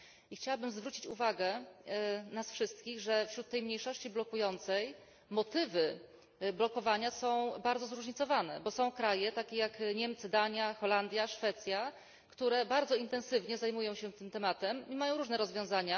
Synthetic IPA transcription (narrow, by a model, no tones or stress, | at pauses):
ixt͡ɕawabɘmzvɾut͡ɕit͡ɕṵvaɡɛ | nasfʂɘst̪̚kʲiɣʐɛfɕɾut̪ːɛjmɲejʂɔɕt͡ɕiblɔkujɔnt̪sɛj | mɔt̪ɘvɘ | blɔkɔvaɲasɔ̃w̃baɾd̪zɔzɾuʐɲit̪sɔvanɛ̰bɔsɔ̃w̃kɾajɛt̪akʲejakɲɛmt̪sɘd̪aɲjaxɔland̪ʲjaʂfɛt̪sʲja | kt̪uɾɛbaɾd̪zɔint̪ɛñsɘvɲɛzajmujɔ̃w̃ɕɛt̪ɘmt̪ɛmat̪ɛmimajɔ̃wɾuʐnɛɾɔzvjɔ̃w̃zaɲa